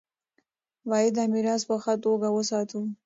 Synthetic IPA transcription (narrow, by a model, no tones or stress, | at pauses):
wɑjɪd̪amiɾɑspəxat̪oɡawəsɑt̪u